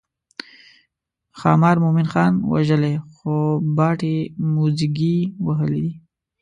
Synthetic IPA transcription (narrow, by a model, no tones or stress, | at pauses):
xɑ̰mɑɾmomɪnxɑnwa̰ʒəlexobɑʈemuziɡiwaɦəlid̪i